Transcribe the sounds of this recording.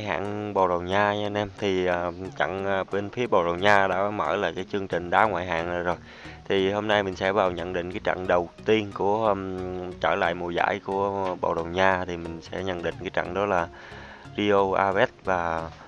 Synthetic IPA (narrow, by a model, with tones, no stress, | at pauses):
jɦa̰ː˧˨nɓo̰˨˩wɗə˨˩wɲaː˧ɲaː˧nɛ˧mt̪ʰi˨˩əː˨˩t͡ɕa̰˧˥ŋː˨ɓe˧nfi˨˦əɓo̰˧˨˩wɗə˨˩wɲaː˧ɗa̰ː˧˥˨mə̰ː˧˩laː˨jkaː˨˦jt͡ɕɨ˧əŋt͡ɕï˨˩ŋ̟ɗaː˨˦ŋwa̰ː˧˨jɦa̰ː˧˨na˨˩zo˨˩j | t̪ʰi˨˩ho˧mna˧jmï˨˩ŋ̟sɛ̰˧˥ɓva˨˩wɲə̰˧˨nɗḭ̈˧˨ŋ̟kaː˨˦jt͡ɕə̰˧˨ŋɗə˨˩wt̪i˧ənku˧˩ə | t͡ɕəː˧˩la̰ː˧˨jmu˨˩jza̰ː˧˥˨jku˧˩əɓo̰˧˨wɗə˨˩wɲaː˧t̪ʰi˨˩mï˨˩ŋ̟sɛ̰˧˥ɲə̰˧˥nɗḭ̈˧˨ŋ̟kaː˨˦jt͡ɕə̰˧˨ŋɗɔ˨˦laː˨˩ | zi˧ʔo˧ʔaː˧vɛ˦˥t̚vaː˨˩